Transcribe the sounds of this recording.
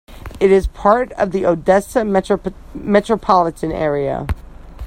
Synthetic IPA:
ɨɾɪz̥pʰɑɹɾʌ̰vðiʔoʊdɛsɨm | mɛt͡ʃɹ̥əpʰɑlˠətʰɨ̃nɛ̰ɹiɨ̰

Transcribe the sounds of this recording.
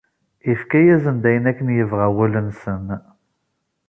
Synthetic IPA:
ifkæjæzənd̪æjənækːənjəvʁæwælənsən

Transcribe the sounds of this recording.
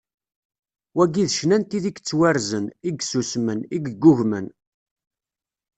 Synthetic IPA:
wæɡiðʃnænt̪iðiɡt͡sːwæɾzəniɡsusməniɡɡːʊʝmə̰n

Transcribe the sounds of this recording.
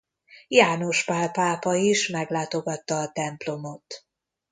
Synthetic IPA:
jaːno̞ʃpaːlpaːpɒiʃmɛɡlaːt̪o̞ɡɒt̪ːɒːt̪ɛmplo̞mo̞t̪

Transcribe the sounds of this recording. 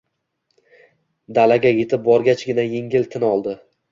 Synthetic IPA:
d̪alaɡʲaje̞t̪ʰɪp̚bɒɾɡʲat͡ʃɡʲɪnaje̞ŋɡʲɪlt̪ʰɪnɒlˠd̪ɪ

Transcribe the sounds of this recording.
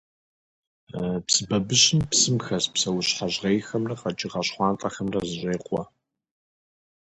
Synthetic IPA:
psɨbɐbɨɕɪmpsɨmxɐspsɐwʊɕħaʑʁejxɐmrɐqɐt͡ʃʼɪʁɐɕχʷɑːntʼɐxɐmrɐzɨɕeːqʷʼɔ

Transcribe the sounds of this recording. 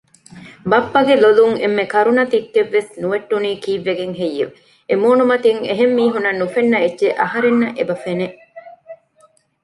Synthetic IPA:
bɐpːɐɡeloluŋḛmːekɐɾunɐt̪ikːeʋːesnuʋeʈːuniːkiːʋːeɡeŋɦejːḛʋ | emoːnumɐt̪iŋḛɦemːiːɦunɐnːufenːɐetːʃeʔɐɦɐɾenːɐʔebɐfene

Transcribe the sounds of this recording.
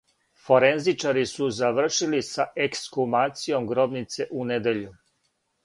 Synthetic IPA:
fo̞ɾenzit͡ʃaɾisuzaʋr̩ʃilisaʔekskumaːt̪sijo̞mɡɾo̞bnit̪se̞ʔuned̪e̞ʎu

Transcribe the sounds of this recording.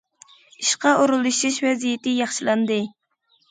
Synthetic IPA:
iʃqɑʔoɾulˠuʃiʃvɛzijɪt̪ɪjɑχʃilˠɑnd̪ɨ

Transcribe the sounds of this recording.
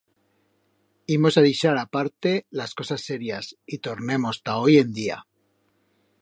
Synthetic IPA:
imo̞saðiʃaɾapaɾt̪e̞lasko̞sasːe̞ɾjasit̪o̞ɾne̞mo̞st̪ao̞je̞nd̪ia̰

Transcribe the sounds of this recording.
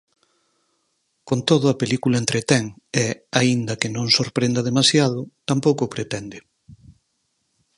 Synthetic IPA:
kont̪oðʊɐpelikulɐent̪ɾet̪ɛŋeaind̪ɐkɪnõŋsoɾpɾend̪ɐðemasjað̞ʊt̪ampowkʊpɾet̪ɛnd̪ɪ

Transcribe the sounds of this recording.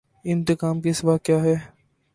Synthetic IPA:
ɪ̃nt̪ɪkaːmkesɪʋaːkjaːɦɛː

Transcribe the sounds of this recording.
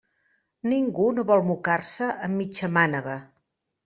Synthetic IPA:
niŋɡunoβɔlˠmukarsəʔəmːit͡ʃəmanəɣə

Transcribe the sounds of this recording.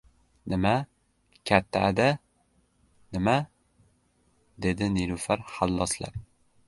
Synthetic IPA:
nɪma | kʲʰat̪ʰːaːd̪a | nɪma | d̪ed̪ɪniɾufaɾhalˠːɒsla̰ɾ

